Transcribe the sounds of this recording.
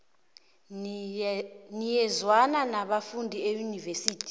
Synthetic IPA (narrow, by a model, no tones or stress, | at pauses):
nijɛzwananaɓafundʱiejunivesiːtʰi̥